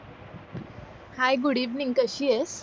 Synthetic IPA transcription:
hajɡuɽiʋniŋɡkəɕies

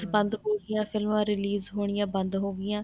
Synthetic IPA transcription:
sbə̃nd̪ɦoːɡɪjãːpʰɪlmãːɾɪliːzɦoːɽ̃ɪjãːbə̃nd̪ɦoːɡɪjãː

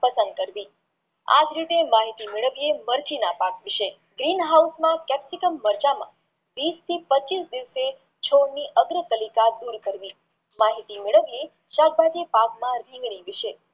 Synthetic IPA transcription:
pəsə̃nd̪̚kəɾʋi | a̰d͡ʒɾit̪emaɦit̪imeɭəʋieməɾt͡ʃinapakʋɪʃe | ɡɾinɦausmãkɛpsikəmːəɾd͡ʒamã̰ | ʋist̪ʰipət͡ʃisd̪iʋse | t͡ʃʰoɽniʔəɡɾət̪əlikad̪uɾkəɾʋi | maɦit̪imeɭəʋie | ʃak̚bad͡ʒepakmãɾiɦɡɳ̃iʋɪʃe

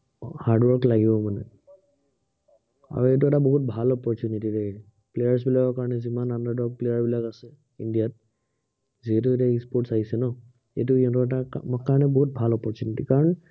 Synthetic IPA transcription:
haɹdwɔɹklaɡibɔmanɛ̰ | a̰ɹuet̬uɛtabɔɦut̚bʱalɔpɔɹtjunitiɹe | plejaɹs̬bilakɔkaɹɔnɛzimanandaɹdɔk̚plejaɹbilakasɛ | indijat̚ | ziɦɛt̬uetiaispɔɹtsaɦisɛnɔ | ḛtuiãtɔɛtakaɹɔnɛbɔɦut̚bʱalɔpɔɹtunitikaɹɔn

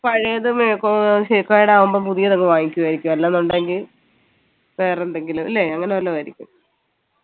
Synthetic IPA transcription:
pɐɻijɐðɨmkoɕekːaːjiɽeaːʋumboːpuðijɐðoŋːeʋaːŋikʲːuʋaːjiɾikʲːumelːaːnːuɳɖaːeŋɡil | ʋe̞ːrɐend̪eŋɡilumilːeɐŋːɐneʋɐlːeʋɐɾikʲːum

